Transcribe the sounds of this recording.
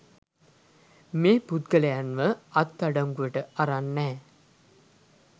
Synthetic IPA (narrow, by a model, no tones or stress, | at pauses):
meːput̪ɡəlejanʋəat̪ːaɖaŋɡujəʈəaɾanːɛː